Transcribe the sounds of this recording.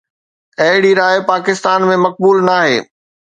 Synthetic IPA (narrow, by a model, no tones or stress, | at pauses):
ɐɦɪɽiɾaːjpaːkɪst̪aːnmẽmɐk̚buːlnaːɦḛː